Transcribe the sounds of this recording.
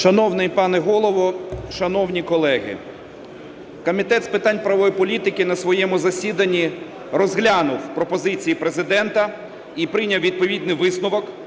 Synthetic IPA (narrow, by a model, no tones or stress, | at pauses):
ʃɐnɔwnɪjpɑnɛɦɔlˠɔʋɔʃɐnɔwnʲikɔlˠɛɦɪ̰ | kɔmʲit̪ɛt̪spɪt̪ɑnʲpɾɐʋɔjipɔlʲit̪ɪkɪnɐsʋɔjɛmʊzɐsʲid̪ɐnʲːi | rɔzɦlʲanʊwpɾɔpɔzɪt͡sʲijipɾezɪd̪ɛnt̪ɐ | ipɾɪnʲɐwʋʲid̪̚pɔʋʲid̪nɪʋɪsnʊʋɔk